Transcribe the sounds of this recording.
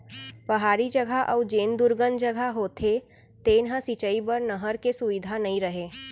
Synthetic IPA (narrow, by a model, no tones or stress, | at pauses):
pɐɦaːɾid͡ʒɐɡʱaʔɔːd͡ʒeːnd̪ʊɾɡənd͡ʒɐɡʱaɦoːt̪ʰe | t̪eːnɦãsit͡ʃəibəɾnəɦəɾkesʊʋɪd̪ʱanɐɦĩɾɐɦeː